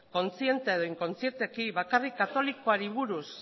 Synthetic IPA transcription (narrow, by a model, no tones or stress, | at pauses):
ko̞nt͡sie̞nt̪eeðo̞iŋko̞nt͡sie̞ɾt̪ekiβakarikːat̪o̞likoaɾiβ̞uɾus